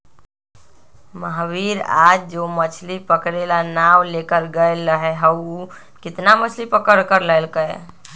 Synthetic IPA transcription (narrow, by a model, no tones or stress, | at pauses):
məɦbiɾa̰d͡ʒd͡ʒomət͡ʃʰlipəkɾelanawlekəɾɡəelːəɦɛɦəu | kɪt̪namət͡ʃʰlipəkəɾkəɾləɪlkəj